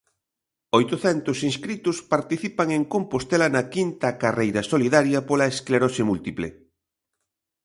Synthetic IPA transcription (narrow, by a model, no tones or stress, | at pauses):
ojt̪oθɛnt̪ʊsinskɾit̪ʊspaɾt̪iθipaŋeŋkompost̪ɛlɐnɐkint̪ɐkarejɾɐsoliðaɾjɐpolɐeskleɾoʃemult̪iplḛ